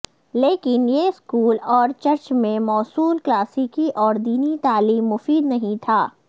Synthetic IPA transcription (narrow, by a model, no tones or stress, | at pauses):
leːkɪnjeɪskuːlɔːɾt͡ʃɐɾt͡ʃmẽmɔːsuːlklaːsikiʔɔːɾd̪iːnit̪aːliːmːʊfiːd̪nɐɦĩt̪ʰaː